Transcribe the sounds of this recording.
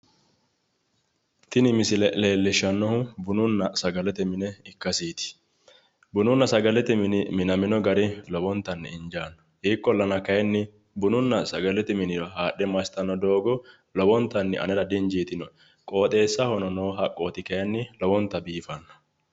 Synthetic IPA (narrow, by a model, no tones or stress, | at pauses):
t̪ɪnɪmɪsɪlɛle̞ːlːɪʃɐnːɔhʊbʊnʊnːɐsɐɡɐlɛt̪ɛmɪnɛɪkːɐsiːt̪ɪ̥ | bʊnʊnːɐsɐɡɐlɛt̪ɛmɪnɪmɪnɐmɪnɔɡɐɾɪlɔbɔnt̪ːɐnːɪ̰ɪnd͡ʒaːnːɔ̥hiːkʼːɔlːɐnɐkɐjɛnːɪ | bʊnʊnːɐsɐɡɐlɛt̪ɛmɪnɪɾɔhaːɗːɛmɐsɪ̥t̪ɐnːɔd̪o̞ːɡɔ | lɔbɔnt̪ːɐnːɪ̰ʔɐ̰nɛɾɐd̪ɪɲd͡ʒiːt̪ɪnɔ | kʼo̞ːt̪ʼe̞ːsːɐhɔnɔnoːɦɐkʼːoːt̪ɪkɐjɛnːɪlɔbɔnt̪ːɐbiːfɐnːɔ̥